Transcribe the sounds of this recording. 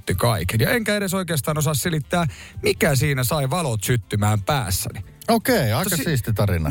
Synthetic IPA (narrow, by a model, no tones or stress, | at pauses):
t̪ːykɑikenjɑeŋkæeɾeso̞ikeːst̪ɑːnosɑsselit̪ːæːmikæsiːnæsɑiʋɑlot̪syt̪ːymæːmpæ̰ːsːæ̰ni | okeˑiɑˑikɑsiːst̪it̪ɑrinɑ̰